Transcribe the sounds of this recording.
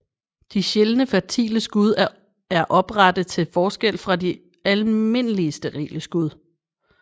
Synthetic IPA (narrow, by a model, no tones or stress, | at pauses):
d̥iɕelnəfæɐt͡sʰḭːləsɡ̥uð̞ˠ | æɐʔɒ̽b̥ʁɑd̥ð̩ˠt͡sʰe̝lfɒːsɡ̥el̰fʁɑ̈di | ælme̝n̰əliəsd̥eʁḭːləsɡ̥uð̞ˠ